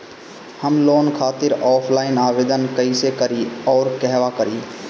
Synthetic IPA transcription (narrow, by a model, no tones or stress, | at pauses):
həmloːnkʰaːt̪ɪɾɔːpʰlaːɪnaːʋeːd̪ənkəisekəɾiɔːɾkɛɦʋakəɾiː